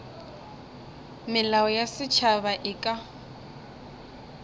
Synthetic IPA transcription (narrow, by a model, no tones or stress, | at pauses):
mɪlaɔjasɪt͡ʃʰaβaʔɪkʼa